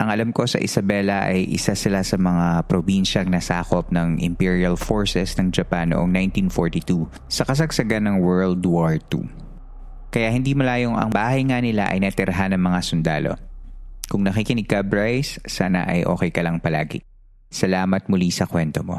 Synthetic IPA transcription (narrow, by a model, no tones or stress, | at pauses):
ʔɐŋʔɐlɐmko̞sɐ̰ʔɪ̰sɐbɛlɐʔɐjʔɪ̰sasɪlasɐmɐŋapɾobinʃɐɐŋnɐsaːkop̚nɐŋʔɪ̰mpiɹiɐlfoɹsɛsnɐŋd͡ʒɐpanːo̰ʔoŋnajnt̪infoɹt̪it̪u | sɐkɐs̬ɐɡsɐɡanːɐŋwɛɹld̪waɹt̪ṵ | kɐjahɪnd̪iːmɐlaːjoŋɐ̰ŋbaːɦɐjŋanɪla̰ʔɐ̰jnɛt̪ɪɾɐɦanɐŋmɐŋasʊnd̪a̰ːlo̞̰kʊŋnɐkikɪnɪɡabɹajsːaːna̰ʔɐjʔo̞̰ːkɛjkɐlɐŋpɐla̰ːɡɪ̰ | sɐlaːmɐt̪̚mʊlisɐkwɛnt̪omo̰